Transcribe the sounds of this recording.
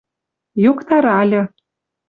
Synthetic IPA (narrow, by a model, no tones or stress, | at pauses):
jokt̪ɑɾɑlʲɤ̆